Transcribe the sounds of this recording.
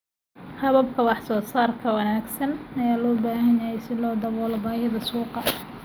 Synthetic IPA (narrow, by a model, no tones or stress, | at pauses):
hɐβɐb̚kʰɐwɑħsɔːsaːrkʰɐwɑnaːɡsɐnɐjaːlɔːbaːɦɐnjɐɦɛjsɪlɔːd̪ɐβɔːlɐbaːjɐðɐsuːqɑ